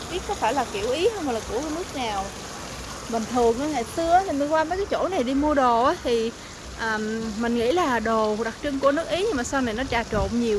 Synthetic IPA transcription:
ɓi˦˥t̚kɔ˨˦faː˧˩jlaː˨˩ki˧˩əwʔi˨˦hə˧wmho˨˩laː˨˩ku˧˩əkaː˨˦nɨ˦˥ək̚naː˨˩w | ɓï˨˩ŋ̟t̪ʰɨ˨˩əŋʔaː˨˦jŋaː˨˧˨jsɨ˧əʔaː˦t̪ʰi˨˩mi˨˩ŋ̟kwaː˧mə˨˦jkaː˨˦t͡ɕo̰˧˩na˨˩jɗi˧mu˧əɗo˨˩ʔaː˨˦t̪ʰi˨˩ | ʔəː˨˩mmï˨˩ŋ̟ŋḭ˧˥laː˨˩ɗo˨˩ɗa˨˩k̚t͡ɕɨ˧ŋku˧˩ənɨ˦˥ək̚ʔi˨˦ɲɨ˧ŋmaː˨˩saː˧wna˨˩jnɔ˨˦t͡ɕaː˨˩t͡ɕo̰˧˨nɲi˨˩əw

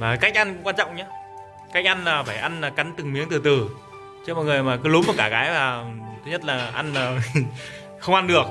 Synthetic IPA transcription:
vaː˨˩ka˦˥jk̟ʔa˧nkṵ˧˥ŋ͡mkwaː˧t͡ɕɔ̰˧˨wŋ͡mɲaː˨˦ | ka˦˥jk̟̚ʔa˧jnlaː˨˩faː˧˩jʔa˧nlaː˨˩ka˨˦nt̪ɨ˨˩ŋmi˨˦əŋt̪ɨ˨˩t̪ɨ˨˩ | t͡ɕɨ˦˥mɔ̰˨jŋ˨˩əjmaː˨˩kɨ˨˦lu˨˦mɔ˨˩kaː˧˩kaː˨˦jvaː˨˩t̪ʰɨ˨˦ɲə˦˥t̚laː˨˩ʔa˧naː˨˩ | xə˧wʔa˧nɗɨ˨˩ək̚

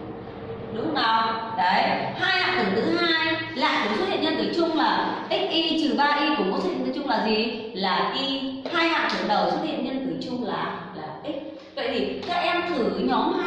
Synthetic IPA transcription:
ɗʊ˨˦˥k͡p̚na˨˩wɗə˨˦jhaː˧jhaː˧nfɨ˧˩nɨ̰˧˥ɦaː˧jla̰ː˧˨ku˧˩so˦˥t̚hḭ˧˨nɲə˧nt̪ɨ˧˩t͡ɕʊ˧ŋ͡mlaː˨˩ʔï˦˥k̚ʔi˧t͡ɕɨ˨˩ɓaː˧ɗi˧ku˧˩əmo̰˨˦˥t̪ʰḭ˧˨nt̪ɨ˧˩t͡ɕʊ˧ŋ͡mlaː˨˩zi˨˩ | laː˨˩ʔi˧haː˧jaː˧˩fɨ˨˧˩ənɗə˨˩wso˦˥t̚hḭ˧˨ənɲə˧nt̪ɨ˧˩t͡ɕʊ˧ŋ͡mlaː˨˩laː˨˩ʔi˦˥k̟̚ | və̰˧˨jt̪ʰi˨˩kaː˦˥k̚ʔɛ˧mt̪ʰɨ˧˩˨ɲɔ˨˦mː˧

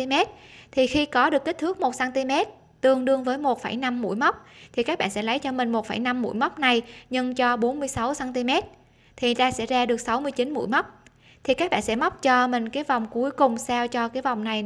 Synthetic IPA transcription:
i˧mɛ˦˥t̚t̪ʰi˨˩xi˧kɔ˨˦ɗɨ˨˩ək̚ːi˦˥t̪ʰɨ˦˥k̚mo˨˩t̚saː˧nt̪i˧mɛ˦˥t̚ | t̪ɨ˨˩əŋɗɨ˧əŋvəː˨˦jmo˨˩t̚fə˧˩jna˧mːṵ˧˥jmə˦˥wk͡p̚t̪ʰi˨˩kaː˦˥k̚ɓa̰˧˨nsɛ̰˧˥lə˨˦jt͡ɕɔ˧mï˨˩ŋ̟mo˨˩t̚fa˧˩jna˧mːṵ˧˥jmə˦˥k͡p̚na˨˩jɲɨ˧ŋt͡ɕɔ˧ɓo˨˦nmɨ˧əjsa˨˦wsaː˧nt̪i˧mɛ˦˥t̚ | t̪ʰi˨˩˨t̪aː˧sɛ̰˧˥zaː˧ɗɨ˨˩ək̚sa˨˦wmɨ˧əjt͡ɕi˨˦nmṵ˧˥jmə˦˥wk͡p̚ | t̪ʰi˨˩kaː˦˥k̚ɓa̰ː˧˨nsɛ̰˧˥mə˦˥wk͡p̚t͡ɕɔ˧mï˨˩ŋ̟kaː˨˦jva˨˩wŋ͡mku˨˦jkʊ˨˩ŋ͡msaː˧wt͡ɕɔ˧kaː˨˦jva˨˩wŋ͡mna˨˩j

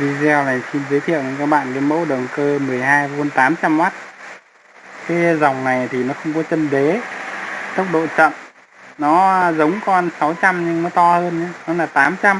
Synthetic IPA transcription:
vi˧zɛ˧wlaː˨˩si˧nzəː˨˦jt̪ʰḭ˧˨əwə˧˩kaː˦˥k̚ɓa̰ː˧˨nke˨˦nmo̰˧˥ɗə˨˩ŋkəː˧mɨ˨˩əjɦaː˧jvu˧nt̪aː˨˦mt͡ɕa˧mma˦˥t̚ | kaː˨˦jza˨˩wŋ͡mna˨˩jt̪ʰi˨˩nɔ˨˦xə˧wŋ͡mkɔ˨˦t͡ɕə˧nɗe˨˦ | t̪ə˦˥wk͡p̚ɗo̰˧˨t͡ɕə̰˧˨n | nɔ˨˦zə˨˦wŋ͡mkɔ˧nsa˨˦wt͡ɕa˧mɲɨ˧ŋnɔ˨˦t̪ɔ˧həː˧nɲaː˨˦nɔ˨˦laː˨˩t̪aː˨˦mt͡ɕa˧m

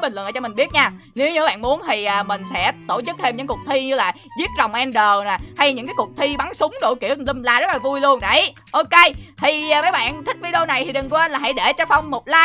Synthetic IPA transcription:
i˨˩ŋl̰nəː˧t͡ɕɔ˧m˨˩ŋ̟ɓi˦˥ət̚ɲaː˧ | ne˨˦ɲɨ˧˦ɓa̰ː˧˨nmu˨˦ənt̪ʰi˨˩ʔəː˨˩mï˨˩ŋ̟sɛ̰˧˥t̪o˧˩t͡ɕɨ˦˥k̚t̪ʰe˧mɲɨ̰˧˥ŋkək̚t̪ʰi˧ɲɨ˧laː˨˩ | zi˦˥ət̚zɔ˨˩wŋ͡mʔɛ˧nɗəː˨˩na˨˩ha˧jɲɨ̰˧˥ŋkaː˨˦jkʊ˨˩ək̚t̪ʰi˧ɓa˨˦ŋsʊ˨˦ŋ͡mɗo̰˧˩jkḭ˧˩əli˧mlaː˧zt̚laː˨˩vu˧jlu˧ənɗa˧˩˦j | ʔo˧ke˧t̪ʰi˨˩˨mə˨˦jɓa̰ː˧˨nt̪ʰï˦˥k̟̚vəː˨˦jɗo˧na˨˩jt̪ʰi˨˩ɗɨ˨˩ŋku˧˦˧ə˧nlaː˨˩ɦa̰˧˥jɗe˧˩t͡ɕɔ˧fa˧wŋ͡mmo˨˩t̚laː˧

